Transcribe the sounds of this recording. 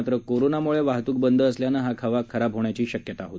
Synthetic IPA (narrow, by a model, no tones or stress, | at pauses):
t̪ɾəkoɾonamuɭeʋaɦt̪uːk̚bənd̪ʱəːsljanəːɦakʰəʋakʰəɾabɦoɳ̃jat͡ɕiːɕəkjət̪aɦot̪